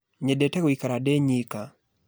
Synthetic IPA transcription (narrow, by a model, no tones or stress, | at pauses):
ɲedetɛwikaɾadeɲika